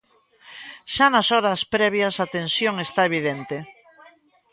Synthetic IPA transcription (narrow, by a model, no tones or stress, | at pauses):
ʃanasɔɾaspɾɛβ̞jasat̪ensjoŋest̪aeβiðent̪e